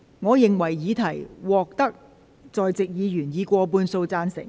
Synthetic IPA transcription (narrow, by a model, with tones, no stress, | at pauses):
ŋɔː˨˧jɪ˨ŋwɐ˨˩jːiː˨˧t̪ʰɐ˨˩jwɔː˨k̚t̪ɐ˥k̚ | t͡sɔː˨jt͡sɪ˨k̚jiː˨˧jyː˨˩njiː˨˧kʷɔː˧p̬uː˧nso˧wt͡saː˧nsɪ̰˨˩ŋ